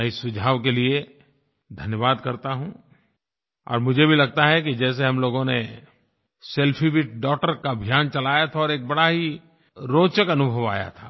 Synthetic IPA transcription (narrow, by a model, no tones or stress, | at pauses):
ɛɪsʊd͡ʒʱaːʋkelie | d̪ʱɐnjəʋaːd̪kɐɾt̪aɦũ | ɔ̰ːɾmʊd͡ʒʱebʱilɐɡ̚t̪aɦɛkid͡ʒɛːs̬eɦɐmloːɡõne | sɛlpʰiʋɪʈ̚ɖɔːʈəɾkabʱjaːnt͡ʃɐlaːjat̪ʰaɔːɾeːk̚bɐɽaɦi | ɾoːt͡ʃəkɐnʊbʱəʋa̰ːja̰t̪ʰḁː